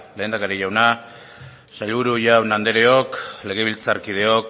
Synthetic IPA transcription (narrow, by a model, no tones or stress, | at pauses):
le̞ːnd̪akaɾiʝawna | saʎβuɾuʝawnand̪eɾeo̞kle̞ɣ̞e̞β̞ilt͡saɾkið̞e̞o̞k